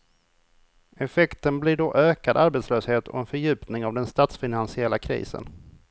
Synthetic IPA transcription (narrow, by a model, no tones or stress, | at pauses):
ɛfɛkt̪ənblɪɖɔʔøːkad̪aɾbɛt̪sløːsheːt̪ʰɔ̰ɛnfœɾjʉ̟ːpnɪŋavd̪ɛnst̪aːt̪sfɪnansɪɛlːakʰɾḭːsə̰n